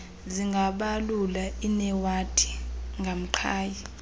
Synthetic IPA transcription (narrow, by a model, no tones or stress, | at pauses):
ziŋɡʱaɓalulainɛwatʼʰi̥ŋɡʱam̩ǃʰaːji